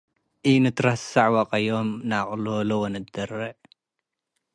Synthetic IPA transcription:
ʔinɨt̪ʰɨɾɐsaʕwaqʼɐjomnaχʼlolowonɨd̪ɐrːɐʕ

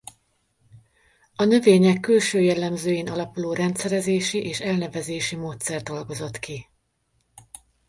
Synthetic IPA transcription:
ɒnø̞veːɲɛkːylʃøːjɛlːɛmzøːjeːnɒlɒpuloːɾɛnt̪sɛɾɛzeːʃiʔeːʃɛlnɛvɛzeːʃimoːt̪sɛrd̪d̪o̞lɡo̞zo̞t̪ki

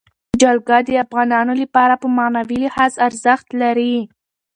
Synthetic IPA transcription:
d͡ʒɑlɡɑd̪əafɣɑnɑnolapɑɾapəmanawilɪhɑzaɾzəxt̪laɾi

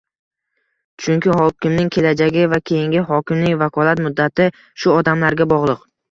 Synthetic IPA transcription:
t͡ʃʰʊŋkʲɪhɒkʲɪmnɪŋkʲʰe̞lad͡ʒaɡʲɪvakʲʰe̞jɪŋɡʲɪɦɒkʲɪmnɪŋvakʰɒlat̪mʊd̪ːat̪ʰɪ | ʃʊɒd̪amlaɾɡʲabɒʁlˠɨq

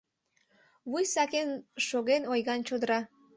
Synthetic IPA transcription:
βujsɑkenʃoɣenojɣɑnt͡ɕod̪əɾɑ

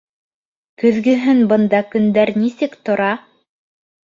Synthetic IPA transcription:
kɵ̆ðɡɵ̆ɦɘnbɤ̆nd̪ɑkɵ̆nd̪æɾnisɘkt̪ŏɾɑ

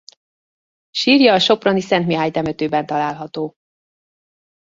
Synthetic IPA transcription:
ʃiːrjɒːʃo̞pronisɛnt̪miɦaːɲt̪ɛmøt̪øːbɛnt̪ɒlaːlɦɒt̪oː

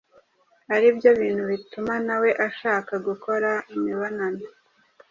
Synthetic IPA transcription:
aɾibjo̞βiːnhuβitumanawe̞ʔaʃaːkaɡuko̞ɾaimiβonano

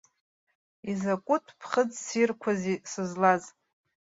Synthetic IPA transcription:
izakʷʼʊtʰpʰχəd͡zsirkʷʰazisɨzlaz

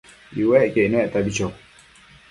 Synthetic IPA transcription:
iwekenwɛʔt̪abit͡ʃo

